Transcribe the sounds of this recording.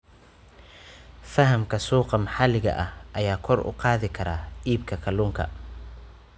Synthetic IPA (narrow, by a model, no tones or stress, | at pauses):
fɐɦɐmkʰɐsuːqɑmɐħɑlɪɣɐ̰ʔɐhʔɐjaːkʰɔrʊ̰qɑːðɪkʰɐɾaːiːbkʰɐkʰɐluːŋkʰɐ̰